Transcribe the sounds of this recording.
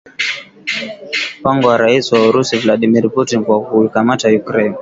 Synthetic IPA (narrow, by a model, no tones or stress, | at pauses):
m̩paŋɡɔwaɾaisiwauɾusivlaɗimiɾputinkwakuikamatajukɾɛn